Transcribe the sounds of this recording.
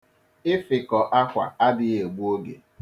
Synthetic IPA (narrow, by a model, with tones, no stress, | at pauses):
ɪ˦fɪ˨kɔ˨ʔa˦kʷa̰˨a˦dɪ˦ɣe˨ɡ͡bʷu˦o˦ɡḛ˨